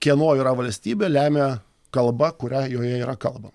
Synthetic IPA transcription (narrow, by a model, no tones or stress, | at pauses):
kʲiɛnoːjiːɾɐʋɐlʲsʲt̪ʲiːbʲeːlʲæːmʲeː | kɐlˠbɐkʊɾʲæjoːjɛiːɾɐkɐlˠbɐ